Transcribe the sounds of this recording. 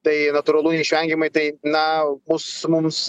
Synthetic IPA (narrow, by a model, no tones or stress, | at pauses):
t̪ɐɪnɐt̪ʊɾɐlˠuːnʲɛiʃʲʋʲɛŋʲɡʲɪmɐɪt̪ɐɪnɐbʊsmʊms